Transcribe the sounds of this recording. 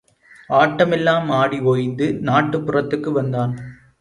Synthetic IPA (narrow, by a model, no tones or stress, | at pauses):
aːʈːɐmɛlːaːmaːɽiʋoːjɪnd̪ɯnaːʈːɯpːʊrɐt̪ːɯkːɯʋɐnd̪aːn